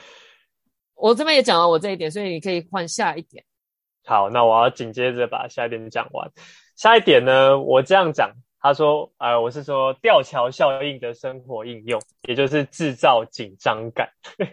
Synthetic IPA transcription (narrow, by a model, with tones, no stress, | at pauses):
wɔ˨˩t͡sə˥˦mə˨˦jɛ˨˥t͡ɕɑ˨˩ŋwa˦nwɔ˨˩t͡sa˥˧i˥t̪jns̬woɔ˥i˨˩ni˨˩kʰɤ˧˦˥i˨˩xwa˥˧nɕja˥˧i˥˩t̪jɛ̰˨˩˦n | hɑ˨˦ʊna˥˨wɔ˨˩jɑ˥˩ʊt͡ɕi˨˩ŋt͡ɕjɛ˦d͡zə˩pa̰˨˩ɕja˥˧i˥˩jɛ˨˩˥t͡ɕjɑ̰˨˩ŋwa̰˧˦n | ɕja˥˧i˥˩t̪jɛ˨˩nːə˦wʔɔ˨˩ʈ͡ʂɤ˥˧jɑ˥˩ŋt͡ɕjɑ̰˨˩ŋ | t̪ʰa˦ʂwɔ˦ə˧wɔ˨˩ʂ̬ɻ̩˥˩ʂwɔ˦t̪jɑ˥˨ʊt͡ɕʰjɑ˧˦ʊɕjɑ˥˧ʊi˥˩ŋd̪ə˩ʂə˦ŋxwɔ˧˥i˥˧njʊ˥˩ŋjɛ˨˩t͡ɕjo˥˧ʊʂɻ̩˥˧ʈ͡ʂɻ̩˥˧t͡sɑ˥˨˩ʊt͡ɕi˨˩nʈ͡ʂɑ˦ŋka̰˨˩˦n